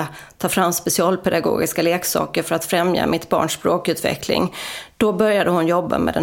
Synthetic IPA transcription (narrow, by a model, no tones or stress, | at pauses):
tʰɑːfɾamːspɛsɪɑːlpʰɛd̪aɡo̰ːɡɪskaleːksɑ̰ːkəɾfœɾat̪fɾɛmja̰mʔɪt̪bɑ̰ːɳʂpɾoːkʉ̟ːt̪vɛ̰klɪ̰ŋd̪̥ɔbœɾjad̪əhʊnjɔbːa̰mɛ̰ːd̪ɛ